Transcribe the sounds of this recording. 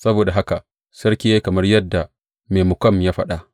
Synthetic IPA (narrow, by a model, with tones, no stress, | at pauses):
sɐ˦boː˨da˨ɦa˦ka˨ | sɐ˦rkʲe˦eː˦kɐ˨mɐ˦rjɐ˦dːa˨ | meː˨mʊ˨kʷɔ˦˨mjaː˦ɸɐ˦ɗa˨ʔ